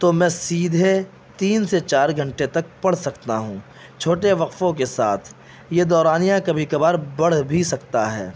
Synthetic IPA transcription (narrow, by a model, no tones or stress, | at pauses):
t̪omɛ̃ːsiːd̪ʱe | t̪iːnset͡ʃaːɾɡʱɐ̃ɳʈet̪ɐk̚pɐɽsɐkt̪aɦũː | t͡ʃʰoːʈeʋɐqfõkesa̰ːt̪ʰ | jed̪ɔːɾaːnijãkɐbʱikɐbaːɾbɐɽ̤bʱisɐkt̪aɦɛ̰ː